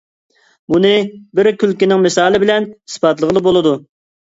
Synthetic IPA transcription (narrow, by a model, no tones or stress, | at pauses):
bunɨbɪɾkʲʰylkʲinɪŋmɪsɑːlˠɪbɪlɛni̥spɑt̪lˠəʁəlˠɨbolˠɨd̪u